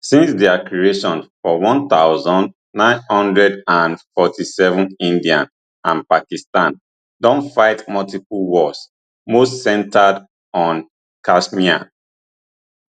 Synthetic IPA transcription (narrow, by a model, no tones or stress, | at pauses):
sĩnsdɛakɹieʃɔ̃nfɔwɔ̃nθaʊzɔ̃nd | nãɪ̃nhɔ̃ndɹɛdãnfɔtʰisɛvə̃nĩndiãn | ãnpakistãn | dɔ̃nfaɪtmɔltipulwɔs | mostsɛ̃ntʰad | ɔ̃n | kasmiã̰n